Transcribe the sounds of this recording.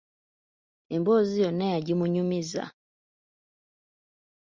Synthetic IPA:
ɛmbɔziɔnɛad͡ʒimuɲumiza̰

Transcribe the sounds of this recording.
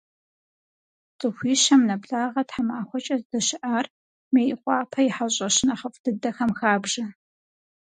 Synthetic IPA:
t͡sʼɨxʷiːʃɐmnɐbɬʼaːʁɐtħamaːxʷɔt͡ʃʼɐzdɐʃɪʔaːr | meːʔɪqʷʼɑːpʰɐjɪħaɕʼɐɕɪnɐχɐfʼd̥ɨdɐxɐmxaːbʒɐ

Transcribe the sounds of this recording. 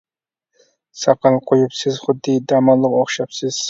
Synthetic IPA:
sɑqɑlˠqʰojɪpsɪzχʊd̪ːid̪ɑmɑlˠːɨqoχʃɑpsɪz̥

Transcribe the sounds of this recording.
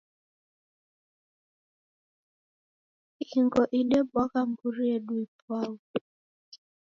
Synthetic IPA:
iŋɡɔʔiɗɛbwakam̩buɾiɛɗuipwau

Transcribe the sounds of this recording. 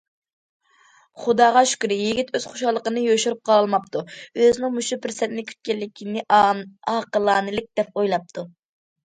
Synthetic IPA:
χud̪ɑːʁɑʃy̥kʲɾɪjiɡʲit̪ʰøz̥χoʃɑlˠːəqənɨjoʃuɾup̚qʰɑlˠlˠmɑp̚t̪ʰuøzɪnɪŋmuʃupʰɪɾsɛt̪ɪnɪkʲʰy̥t̪̚kʲɛlːɪkʲʰinɪɑqəlˠɑːnɨlɪk̚ʲd̪̥ɛp̚ojlˠɑp̚t̪ʰu

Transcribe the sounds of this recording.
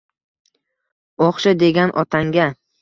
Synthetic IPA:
oχʃad̪e̞ɡʲanʔɒt̪ʰaŋɡʲa

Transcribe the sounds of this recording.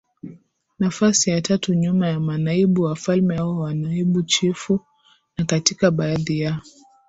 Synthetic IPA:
nafasijatatuɲumajamanaiɓuwafalmɛhaɔwanaiɓut͡ʃifu | nakatikaɓaːðijaɔ

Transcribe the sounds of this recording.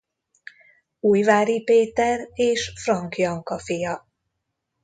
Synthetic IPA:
uːjvaːɾipeːt̪ɛreːʃfrɒŋkjɒŋkɒfijɒ

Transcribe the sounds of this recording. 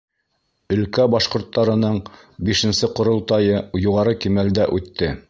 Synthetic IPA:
ɵ̆lkæbɑʃqŏɾt̪ːɑɾɤ̆nɤɴ | biʃɘ̆nsɘqŏɾŏlˠt̪ɑjɤjuʁɑɾɤkimæld̪æʔʉt̪ːɘ

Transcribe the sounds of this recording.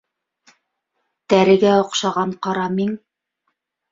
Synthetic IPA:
t̪æɾɘ̆ɡæŏqʃɑʁɑɴqɑɾɑmiŋ

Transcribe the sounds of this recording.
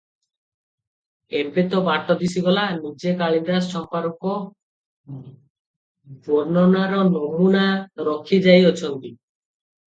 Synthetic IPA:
empet̪ɔbaɾʈɔd̪isiɡɔlanid͡ʑekaɭind̪asɔmpaɾɔkɔ | ɡoɾnɔnaɾɔnomunaɾɔkʰːid͡ʒajot͡ɕʰɔnt̪i

